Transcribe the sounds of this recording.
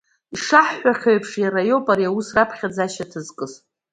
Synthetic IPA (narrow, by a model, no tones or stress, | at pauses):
iʂaħːʷaχʲojpʰʂjarajopʼaɾiawusrapʰχʲad͡zaʃatʰɨzkʼɨz